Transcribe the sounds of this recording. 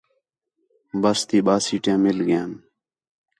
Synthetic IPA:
bəst̪iːɓaːsiːʈẽːmɪlɡjẽːn

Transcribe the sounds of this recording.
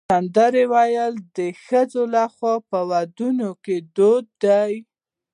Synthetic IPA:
and̪əɾewajəld̪əxəzolaxwɑpəwad̪unoked̪od̪̚d̪aj

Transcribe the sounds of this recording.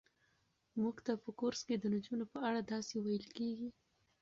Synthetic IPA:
muɡt̪apəkoɾsked̪ənd͡ʒunopəaɽad̪ɑsewajəlkeɡi

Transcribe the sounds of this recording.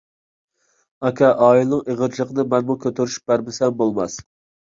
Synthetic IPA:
ɑkʲʰɑʔɑːilnɨŋeʁəɾt͡ʃʰlˠəqənɨmɛnmukʲʰøt̪ʰeɾyʃy̥p̚bæɾmɪsɛmbolˠmɑs

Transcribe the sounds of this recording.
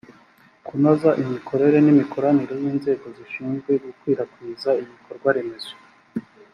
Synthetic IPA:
kunozaʔimikʰo̞ɾe̞ɾe̞nimikʰo̞ɾaniɾo̞jiːnze̞ːɡo̞ziʃiːnzɡwe̞ɡukwiːɾakwiːzaiβiko̞ɾɡwaɾe̞me̞zo

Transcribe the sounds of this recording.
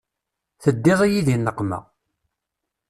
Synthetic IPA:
θəd̪ːɪðˤijiðinːəqːmæ̰

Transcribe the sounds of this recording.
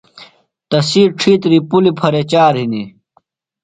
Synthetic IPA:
t̪ɐsiːɾʈ͡ʂʰiːt̪ɾipulipʰɐɾet͡ɕaːɾɦini

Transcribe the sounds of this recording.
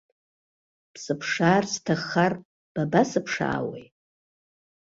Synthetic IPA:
pʰsɨpʰʂaːrstʰaχar | b̥abasɨpʰʂa̰ːwḛj

